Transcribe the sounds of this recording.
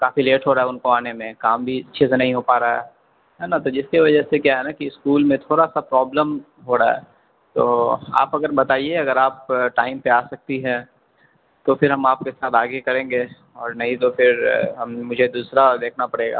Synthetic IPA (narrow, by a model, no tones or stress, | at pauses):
kaːfileːʈɦoːɾaɦɛʊnkoaːnemẽkaːmbʱiɐtːʃʰesenɐɦĩɦopaːɾaɦɛ̰ː | ɦɛːnat̪od͡ʒɪskiʋɐd͡ʒəsekjaːɦɛnakiɪskuːlmẽt̪ʰoːɾasapɾɔːbləm | ɦoɾaɦɛ̰ː | t̪o̰ːa̰ːpɐɡəɾbɐt̪aːieɐɡəɾaːp̚ʈaːɪmpeaːsɐk̚t̪iɦɛ̃ | t̪ofɪɾɦɐmaːp̚kesaːt̪ʰaːɡekɐɾẽːŋɡe | ɔːɾnɐɦĩt̪ofɪɾɦɐmmʊd͡ʒʱed̪uːsɾad̪eːkʰnapɐɽeːɡa̰ː